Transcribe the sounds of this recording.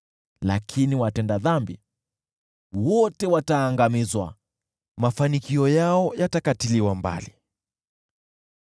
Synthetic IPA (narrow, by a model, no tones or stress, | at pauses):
la̰kʰiniwatɛndaðambḭ | wɔtɛwataːŋɡamizwa̰ | mafanikiɔjaɔjatakatiliwamba̰li